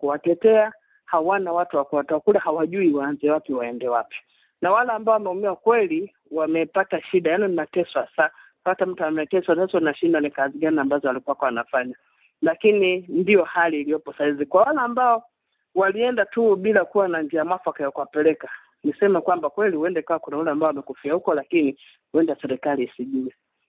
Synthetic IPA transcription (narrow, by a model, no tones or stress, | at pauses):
kuwatɛtɛa | hawanawatuwakuwatɛwakulahawaʄuiwaːnzɛwapiwaɛndɛwapi̥ | nawalaːmbaɔwamɛumiwakwɛli | wamɛpataʃiɗajanɔnimatɛswasa | atam̩tuamɛtɛswansasanaʃindanikaziɡaniambazɔalikuwakɔwanafaɲa | lakinindijɔhaliːlijɔpɔsahizikwawalaːmbaɔ | waliɛndatuɓilakuwanaɲd͡ʒiamwafakajakuwapɛlɛka | nisɛmakwambakwɛliuɛndɛkawakunaulɛambaɔwamɛkufiahukɔlakini | huɛndasɛɾɛkaliːsiʄuɛ